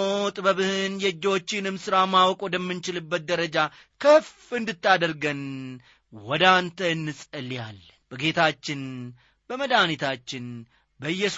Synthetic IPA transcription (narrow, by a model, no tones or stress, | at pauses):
ot̪ʼbəβɨhɨnjɛd͡ʒːo̞t͡ʃːɪnɨmsɨɾamawɔkʼwɔd̪əmːɨnt͡ʃɪlɨbːət̪̚d̪əɾəd͡ʒa | kʰəf | ɨnd̪ɨt̪ːad̪əɾɡən | wɔd̪ant̪ʰəɨnːɨsʼəlja̰lː | b̥əɡe̞t̪ʰat͡ʃːɪn | bəməd̪anit̪ʰat͡ʃːɪn | bəɨjːɛs